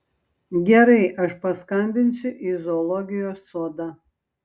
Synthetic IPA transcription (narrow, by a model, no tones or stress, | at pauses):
ɡʲɛɾɐɪʔɐʃpɐskɐnʲb̪ʲɪnʲsʲʊʔizɔlˠɔɡʲɪjoːsːoːd̪ɐ